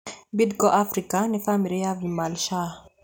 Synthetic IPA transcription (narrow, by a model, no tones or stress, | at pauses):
bidɡɔʔafɾikanifamiɾijavimalʃa